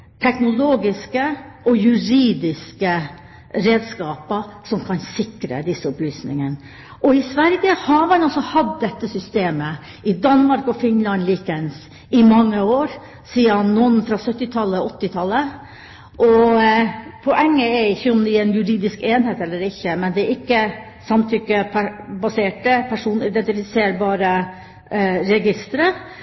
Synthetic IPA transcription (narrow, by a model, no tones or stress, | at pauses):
t̪ʰɛknʊloːɡɪskəʔɔjʉɾiːd̪ɪskə | ɾeːd̪skɑːpəsɔmkʰɑnsɪkɾə̰d̪ɪsːəɔplyːsnɪ̰ŋən | ʔɔɪsʋæɾɡəhɑɾmɑnɑlsɔhɑd̪ːɛt̪ːəsʏst̪eːmə | ɪd̪ɑnːmɑɾkɔfɪnlɑnliːkəns | ɪmɑŋːəoːɾ | siːəɑnːɔnfɾɑːsœt̪ːɪt̪ʰɑlːəɔt̪ːɪt̪ʰɑlːə | ʔɔ | pʰɔʔɛŋːəɛɾɪçːəɔmd̪ɛænjʉɾiːd̪ɪskeːnheːt̪ɛlːəɾɪçːəmɛnd̪ɛæɾɪkːə | sɑmt̪ʰʏkːəpʰæbɑseːʈəpʰæʂuːnɪd̪ɛnt̪ɪfɪseːɾbɑːɾə | ɾɛɡɪst̪ɾə